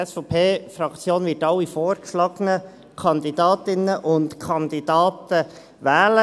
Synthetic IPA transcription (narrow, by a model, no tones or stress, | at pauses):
ɛsfɔpʰeːfɾɑkt͡sjoːnvɪtɑwːifoːɾkʃlɑɡ̥ənə | kʰɑnd̪idɑːtɪnəʔʊntkʰɑnd̥̪id̥ɑːt̪ə | ʋɛːlə